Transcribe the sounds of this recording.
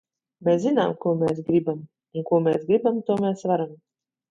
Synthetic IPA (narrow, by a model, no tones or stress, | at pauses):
meszina̰ːmkuɔmeːs̬ɡɾibam | uŋkuɔmeːsɡɾibamt̪uɔmeːsvaɾam